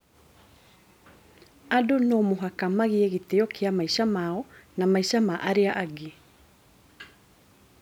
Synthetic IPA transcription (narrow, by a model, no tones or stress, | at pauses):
adonoːmoɦakamaɣeeɣeteɔkeamaiʃamaɔnamaiʃamaʔaɾeaʔaɡe